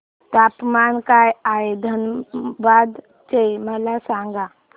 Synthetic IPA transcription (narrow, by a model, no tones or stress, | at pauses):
t̪apmankajajd̪ʱənbad̪ | t͡ʃeməlasãŋɡa